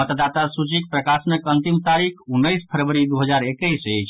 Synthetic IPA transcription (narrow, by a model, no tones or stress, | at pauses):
ət̪d̪at̪asut͡ʃik̚pɾəkasnəkənt̪imt̪aɾikʰunːəjspʰəɾʋəɾid̪uɦəd͡ʒaɾekəjsət͡ʃʰ